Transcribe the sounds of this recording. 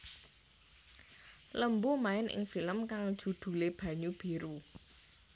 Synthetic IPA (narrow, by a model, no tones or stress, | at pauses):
ləmbumaɪnʔɪ̰ŋfiləmkaŋd̥ʒ̥ṳd̪̥ṳleb̥ä̤ɲub̥e̤ɾu